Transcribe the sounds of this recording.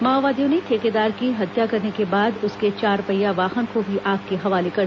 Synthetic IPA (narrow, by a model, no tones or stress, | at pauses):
maːʋaːd̪ijõnet̪ʰeːked̪aːɾkiɦɐt̪jakɐɾnekebaːd̪ʊsket͡ʃaːɾpɐjːaʋaːxənkobʱiʔaːk̚keɦɐʋaːlekɐɾ